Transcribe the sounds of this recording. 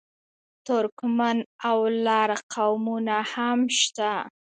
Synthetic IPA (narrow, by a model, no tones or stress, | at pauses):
t̪ʊɾkmanawlɑɾqʰawmunahamʃt̪a